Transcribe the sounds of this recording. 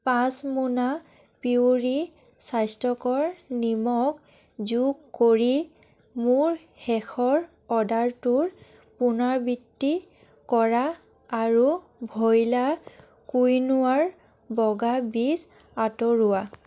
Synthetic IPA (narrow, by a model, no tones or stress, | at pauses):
pasmuna | piuɹi | sajstɔkɔɹnimɔk | zuɡkːoɹi | muɹ | hɛxʰɔɹ | ɔdaɹtuɹ | punaɹbitːi | kɔɹaː | ɹu | bʱɔjla | kujnʊwaɹ | bɔɡabis | atɔɹʊwa